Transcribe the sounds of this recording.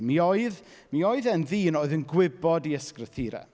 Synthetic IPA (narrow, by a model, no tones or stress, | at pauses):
mioɨð | mioɨðɛnðiːnoːɨðənɡwɪbɔdiəskrəθiɾɛ̰